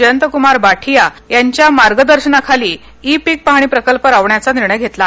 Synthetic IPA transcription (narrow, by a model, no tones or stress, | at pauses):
əjənt̪əkumaɾbaʈʰijajaɲt͡ɕjamaɾɡəd̪əɾɕəɳakʰaliː | ipik̚pəɦɽ̃iːpɾəkəlpəɾaʋɳjat͡saniɾɳəjɡʱet̪la